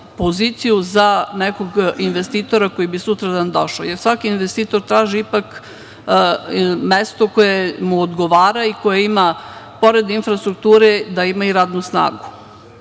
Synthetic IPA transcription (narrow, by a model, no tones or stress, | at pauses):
po̞ziːt̪sijuzanekoɡinʋest̪iːt̪o̞ɾako̞jibisut̪ɾad̪and̪oʃo̰ːjeɾsʋakiinʋest̪iːt̪o̞ɾt̪ɾaːʒiipak | mest̪o̞ko̞jemuod̪ɡo̞ʋaːɾaiko̞jeimapo̞ɾe̞d̪infɾast̪ɾuk̚t̪uːɾed̪aimaiɾaːd̪nusna̰ːɡu